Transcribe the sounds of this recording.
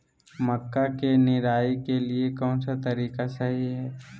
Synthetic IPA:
məkːakenɪɾaːikeliekɔ̃ːnsat̪ɐɾiːkasɐɦiɦɛː

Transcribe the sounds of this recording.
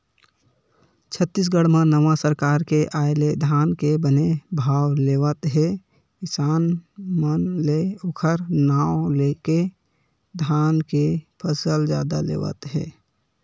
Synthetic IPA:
t͡ʃʰət̪ːis̬ɡəɽmãnəʋasəɾkaːɾkeʔaːeled̪ʱaːnkebənebʱaːwleːʋət̪ɦɛ | kɪsaːnmənleokʰəɾnaːwleːke | d̪ʱaːnkepʰəsəld͡ʒja̰ːd̪a̰lḛːʋə̰t̪ɦɛ̰ː

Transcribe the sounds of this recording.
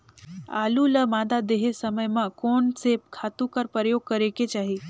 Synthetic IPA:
a̰ːluləmãːd̪ad̪eɦesəməjmãkoːnsekʰaːt̪ũkəɾpɾəjoːɡ̚kəɾeket͡ʃaːɦi

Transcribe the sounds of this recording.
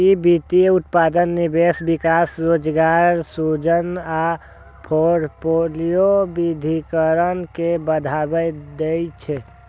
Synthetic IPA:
ibit̪ieut̪pad̪ənːibesbikasɾod͡ʒɡaɾsud͡ʒəna | pʰoɾpolijobid̪ʱikəɾənkebəd̪ʱabəd̪ejt͡ʃʰɛ

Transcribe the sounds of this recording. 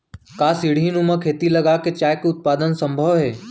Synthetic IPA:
kaːsiɽ̤inũmɐ̃kʰeːt̪ilɐɡaket͡ʃaːjkeʊt̪̚paːd̪ənsə̃mbʱəʋɦeː

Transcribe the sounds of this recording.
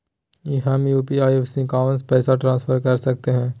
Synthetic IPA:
jeɦɐ̃mjuːpiaːjeːfsikaːʋ̃nspɛːsaʈɾãːsfʰəɾkɐɾsɐk̚t̪eɦɛ̃ː

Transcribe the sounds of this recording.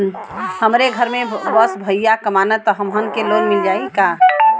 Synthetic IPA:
həmɾeɡʱəɾmẽbəsbʱəjjakəmanət̪ːɦəmɦənkeloɡmɪld͡ʒaːika

